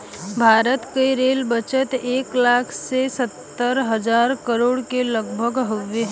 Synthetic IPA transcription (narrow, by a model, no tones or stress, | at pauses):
bʱaːɾət̪kəiɾeːlbət͡ʃət̪eːklaːkʰsesət̪ːəɾɦəd͡ʒaːɾkəɾoːɽkeləɡbʱəɡɦəʋeɦ